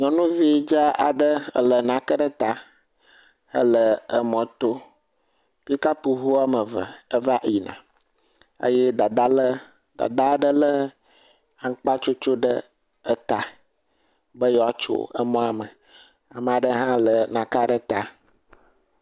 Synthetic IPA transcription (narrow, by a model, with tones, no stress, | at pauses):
ɲɔ̃˨nũ˦vi˦d͡ʒa˦a˨ɖə˦˨lə˨nã˨kə˦ɖə˦t̪a˦ | ə̰˦lə˨ə˨mɔ̃˨t̪o˦ | pi˦ka˦pu˨ɦu˦a˦mə˨və̰˨ə˦va˦ʔi˨nã̰˨ | ə̰˦jɛ˦d̪a˨d̪a˦l | d̪̥a̰˨d̪a˦ɖə˦lə˦ | a˨ŋ˦k͡pa˦t͡ʃo˦t͡ʃo˦ɖə˦ | ə˦t̪a˨ | bə˦jɔ˨a˨t͡ʃo̰˨ə̰˦mɔ̃˦a˨mə˨ | a˨mə̃˨a˨ɖə˦ɦã˦lə˨nã˨ka˦ɖə˦t̪a˦